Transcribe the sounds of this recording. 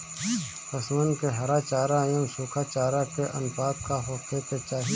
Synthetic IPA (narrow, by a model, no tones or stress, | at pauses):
pɐsmənkeɦɐɾat͡ʃaːɾajõnsuːkʰat͡ʃaːɾakeʔɐnpaːk̚kaɦoːkʰetet͡ʃaːɦi